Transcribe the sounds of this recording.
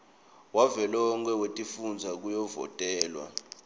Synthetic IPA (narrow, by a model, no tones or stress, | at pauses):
wavɛlɔŋk̬ʰʼɛwetʼifund͡zʱak̬ujɔvɔ̰tʼɛːlwa̰